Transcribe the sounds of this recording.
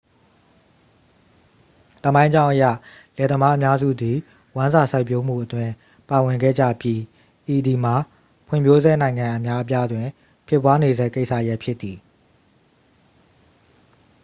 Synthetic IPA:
t̪ə˦˨mã˦ɪ̃ɲd͡ʑã˦ʊ̃ʔə˦jä̰˦˨ | lɛ˨d̪ə˨ma˦ʔə˦mja˦zṵ˦˨d̪i˨ | wã˦nza˨sʰa˦ɪpjo˦m̥ṵ˦˨ʔətwɪ̃˨ | pa˨wɪ̃˨ŋɡɛ̰˦˨d͡ʑä̰˦˨pji˦ | ʔi˨di˨m̥a˨ | pʰʊɪ̰̃˦˨mbjo˦zɛ˦˨nã˨ɪ̃ŋã˨ʔə˨mja˦ʔə˦p̬ja˦dwɪ̃˨ | pʰɪ˦˨pwa˦ne˨zɛ˦˨ke˦ɪʔsʰä̰˦˨əja˦ʔpʰjɪ˦t̪ːi˨

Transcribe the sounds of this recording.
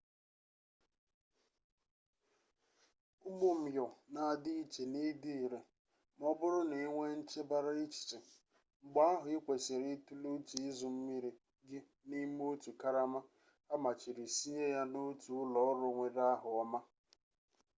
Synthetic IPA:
ʊ˦ɡ͡bʊ˦m̩˨jɔ˨na˨a˨dɪ˦i˦t͡ʃe˨ni˦di˦i˨ɾe˨ | m˦ɔ˦bʊ˦ɾʊ˦ne˨˦ŋʷe˦n̩˦t͡ʃe˦ba˦ɾa˦i˦t͡ʃi̥˨t͡ʃe˨ | ŋ͡m̩˨ɡ͡ba˦a˦ɦʊ˨ɪ˦kʷe˨se˨ɾe˦tu˦lu˦ti˨ɪ˦zʊ˨m̩˦mi˦ɾi˨ | ɡɪ˦ | ni˦m˦o˦tu˨ka˦ɾa˦ma˦ | a˦ma˨t͡ʃi˨ɾi˨si˦ɦe˦ja˦no˦tu˨ʊ˦lɔ˦ɔ˦ɾʊ˨ŋʷe˨ɾa˦ɦʊ˨ɔ˦ma˦

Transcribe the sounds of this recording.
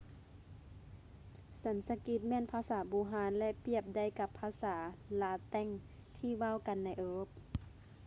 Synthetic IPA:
sa˨˦nsa˧ki˧˥t̪̚mɛː˧˥˨npʰaː˧˨saː˩˦buː˧˦ɦaː˨˧˦nlɛ˧ʔpi˧˩əp̚da˧˩˨jka˧˦pʰːaː˧˥saː˩˦laː˧˦t̪ɛ˧˥˨ŋ | t̪ʰiː˧˥˨ʋa˧˥˨wka˨nːa˧˩jʔɤː˧p̚

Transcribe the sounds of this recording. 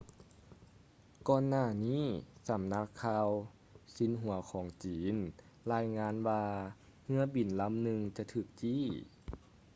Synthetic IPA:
kɔː˧nːaː˧˩niː˧˥˨sa˨˦mna˧˥kʰːaː˧w | si˨˦nɦu˨˩˦ɐkʰɔː˩˦ŋt͡ɕiː˩˨˦n | laː˧jŋaː˧˥nwaː˧ | ŋɯ˧˥ɐbi˨˩nla˧˥mnɯ˧ŋt͡ɕa˧t̪ʰɯː˧˩k̚t͡ɕiː˧˥˩

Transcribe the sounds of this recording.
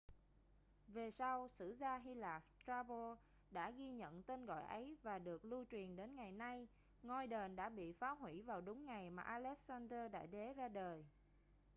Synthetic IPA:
ve˨˩sa˧wsɨ̰˧˥zaː˧ɦi˧laː˨˩st̪ɾaː˧ɓo˧ | ɗa̰ː˧˥ɣi˧ɲə̰˧˨nt̪e˧nɣɔ̰˧˨jʔə˨˦jvaː˨˩ɗɨ˨˩ək̚lu˧t͡ɕwi˨˩ənɗe˨˦nŋa˨˩jna˧j | ŋɔ˧jɗe˨˩nɗa̰ː˧˥ɓḭ˧˨faː˨˦wɦwḭ˧˩vaː˨˩wɗʊ˨˦ŋ͡mŋa˨˩jmaː˨˩ʔaː˧lɛ˦˥k̚saː˧nzəː˧ɗa̰ː˧˥ɗe˨˦zaː˧ɗəː˨˩j

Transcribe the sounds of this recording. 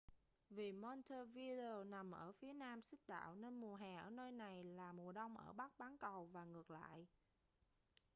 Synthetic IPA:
vi˨˩mɔ˧nt̪ʰə˧vi˧ɗe˧o˧na˨˩mʔəː˧˩fi˨˦ənaː˧msɨ˦˥k̚ɗa̰ː˧˨wne˧nmu˨˩əɦɛː˨˩ʔəː˧˩nəː˧jna˨˩jlaː˨˩mu˨˩əɗə˧wŋ͡mʔə̰ː˧˩ɓa˦˥k̚ɓaː˨˦nkə˨˩wvaː˨˩ŋɨ˨˩ək̚la̰ː˧˨j

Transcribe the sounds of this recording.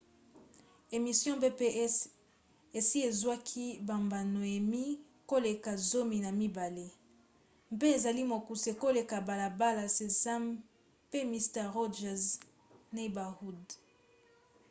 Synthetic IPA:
e˨mi˨sjɔ̃˦be˦pe˦ | e˨si˦e˨zwa˦kʰi˦ba˨mba˨no˨e˨mi˦ | ko˦le˨ka˨zo˦mi˨na˨mi˦ba˨le˦ | mpe˦e˨za˨li˦mo˨ku˨se˨ko˦le˨ka˨ba˨la˨ba˦la˨se˨za˦m | pe˦mi˨stɛ˦˨ʁo˦ʒɛ˨z | n˦i˦ba˨hu˦d

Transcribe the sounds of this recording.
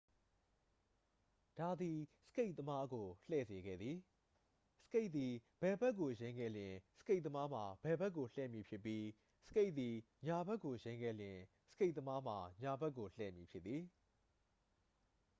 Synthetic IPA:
d̥a˨d̪i˨sə̥ke˦ɪʔ̪t̪ə˦ma˦ɡo˨lɛ̰˦˨ze˨ɡɛ̰˦˨d̪ði˨ | sə̥˦ke˦ɪʔ̪̚t̪i˨b̥ɛ˨bɛ˦k̬ːo˨jẽ˦ɪ̃ŋɡɛ̰˦˨ljɪ̃˨sə̥ke˦ɪʔ̪t̪ə˦ma˦m̥a˨bɛ˨bɛ˦k̬ːo˨lɛ̰˦˨mji˨pʰjɪ˦pːji˦ | sə̥˦ke˦ɪʔt̪t̪i˨ | ɲa˨bɛ˦ʔkːo˨jẽ˦ɪ̃ŋɡɛ̰˦˨ljɪ̃˨ | sə̥˦ke˦ɪʔ̪t̪ə˦ma˦m̥a˨ɲa˨bɛ˦ʔkːo˨l̥ɛ̰˦˨mji˨pʰjɪ˦t̪t̪ːi˨

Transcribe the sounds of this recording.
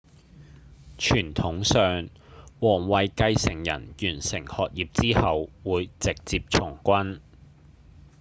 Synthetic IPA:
t͡ʃʰyː˨˩nt̪ʰʊ˨˥ŋsœː˨ŋ | wɔː˨˩ŋwɐ˨jkɐ˧jsɪ˨˩ŋjɐ̰˨˩njyː˨˩nsɪ˨˩ŋhɔː˨k̚jiː˨˩p̚t͡siː˥hɐ˨wwuː˨˧jt͡sɪ˨k̚t͡siː˧p̚t͡ʃʰʊ˨˩ŋkʷɐ˥n

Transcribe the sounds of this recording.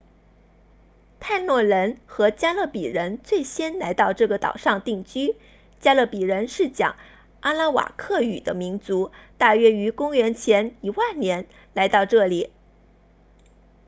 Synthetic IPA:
t̪ʰa˥˧ɪnwɔ˥˩ɻə˧˥nxɤ˧˥t͡ɕja˥lɤ˥˩pi˨˩ɻə˧˥nt͡swe˥˩ɪɕjɛ˥nla˧˥ɪt̪ɑ˥˧ʊʈ͡ʂɤ˥˩ɡə˩t̪ɑ̰˨˩ʊʂɑ˥˧ŋt̪i˥˩ŋt͡ɕy˥ | t͡ɕja˥lɤ˥˩pi˨˩ɻə˧˥nʂɻ̩˥˩t͡ɕjɑ̰˨˩˦ŋ | a˥la˥wa̰˨˩kʰɤ˥˩y̰˨˩d̪ə˦mi˧˥nt͡su˧˥t̪a˥˩ɥɛ˥y˧˥kʊ˥ŋɥɛ˧˥nt͡ɕʰjɛ˧˥ni˧˥wa˥˩nnjɛ˧˥n | la˧˥ɪt̪ɑ˥˧ʊʈ͡ʂɤ˥˩li˨˩˦

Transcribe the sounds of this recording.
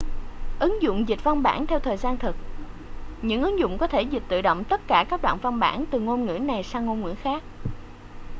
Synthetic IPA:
ʔɨ˨˦ŋzʊ̰˧˨ŋ͡mzi̟˨˩va˧wŋ͡mɓa̰ː˧˩nt̪ʰɛ˧wt̪ʰəː˨˩jzaː˧nt̪ʰɨ˨˩k̚ | ɲɨ̰˧˥ŋʔɨ˨˦ŋzʊ̰˧˨ŋ͡mkɔ˨˦t̪ʰe˧˩zi˨˩t̪ɨ̰˧˨ɗo̰˧˨wŋ͡mt̪ə˦˥t̚kaː˧˩kaː˦˥k̚ɗwa̰ː˧˨nva˧wŋ͡mɓa̰ː˧˩nt̪ɨ˨˩ŋo˧nŋɨ̰˧˥na˨˩jsaː˧wŋo˧nŋwḭ˧˥ənxaː˦˥k̚

